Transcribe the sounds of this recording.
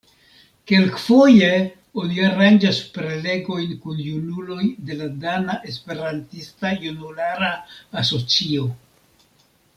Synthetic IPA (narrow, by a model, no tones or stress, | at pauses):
ke̞lkfoje | oniaɾand͡ʒaspɾe̞le̞ɡo̞jnkunjunulo̞jde̞ladanaʔe̞spe̞ɾantistajunulaɾaːso̞t͡sio̞